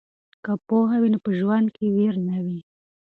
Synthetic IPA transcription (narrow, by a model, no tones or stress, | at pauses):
kapoɦawinopəʒwand̪̚keweɾnawi